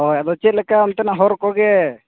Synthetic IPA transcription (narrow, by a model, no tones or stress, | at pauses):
ɔad̪ɔt͡ʃɛt̪̚lɛkaɔmt̪ɛnaɦɔɾkɔɡɛ